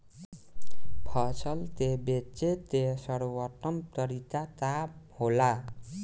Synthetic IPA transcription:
pʰʌsʌlt̪ebet͡ʃet̪esʌɽowʌʈːʌmt̪ʌɾit̪at̪ahola

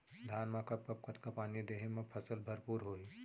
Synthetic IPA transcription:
d̪ʱaːnmakɐp̚kɐp̚kɐt̪kapaːnid̪eːɦẽmẽpʰɐsəlbʱɐɾpuːɾɦoːi

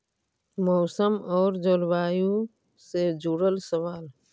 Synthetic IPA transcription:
mɔːsəmɔːɾd͡ʒolwaːju | sed͡ʒuɽəlsəʋaːl

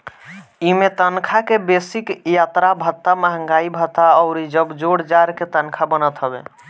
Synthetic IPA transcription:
imet̪ənkʰakebesikjat̪ɾabʱət̪ːamaɦəŋɡaibʱət̪aɔʊɾid͡ʒəbd͡ʒoɽd͡ʒaɾket̪ənkʰabənət̪ɦəbḛ

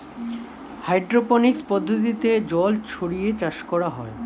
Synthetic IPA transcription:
hajɖɾoponikspɔd̪ʱːot̪̬it̪ed͡ʑɔlt͡ɕʰoɽijet͡ɕaʃkɔɽaɦɔe

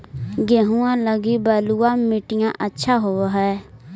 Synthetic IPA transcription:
ɡeːɦũːãːləɡiːbaːluːãːmɪʈɪjãːʔətːʃʰaːɦoːaɦɛː

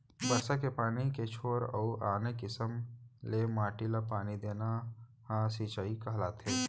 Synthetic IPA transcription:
bəɾsakepaːniket͡ʃʰoːɾə̰uʔaːnekɪsəmlemaːʈilapaːnid̪eːna | hãsiːt͡ʃaːikaɦlaːt̪ɦeː

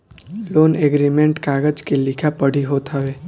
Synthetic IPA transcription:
loːneɡɾimẽɳʈkaːɡəd͡ʒkelɪkʰapəɽ̤iɦoːt̪aʋeː

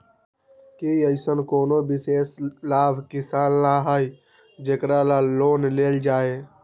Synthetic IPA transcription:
keiəɪsənkoːnobɪseːslaːbʱkɪsaːnlaɦəj | d͡ʒeːkɾalaloːnleːld͡ʒaːe

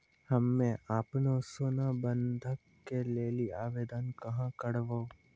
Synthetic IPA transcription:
hɐmːẽaːpnosoːnabə̃nd̪ʱəkːeleːliaːʋeːd̪ankɐɦãkəɽʋo

